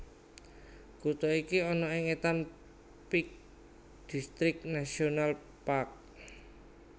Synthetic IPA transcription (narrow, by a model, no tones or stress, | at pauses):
kut̪ɔikiɔnɔɪŋet̪am | pik̚ | d̪̥ist̪ɾɪk̚nasional | pak̚